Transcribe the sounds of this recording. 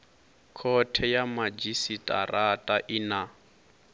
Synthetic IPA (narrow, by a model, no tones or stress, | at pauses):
kʰɔtʰɛjamad͡ʒisitʼa̰ratʼaʔɪna